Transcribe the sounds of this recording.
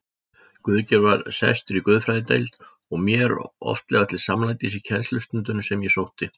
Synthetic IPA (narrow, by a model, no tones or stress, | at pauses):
kʏðcɛɾvaɾ̥sɛ̰jst̪ʏɾikʏðfɾajðɪt̪ḛjlt̪ | ɔɣmjɛɾɔ̰ft̪lɛɣat̪ʰɪlsamlaːjt̪ɪsicʰɛnst̪lʏst̪ʏnt̪ʏnsɛmjɛsowht̪ɪ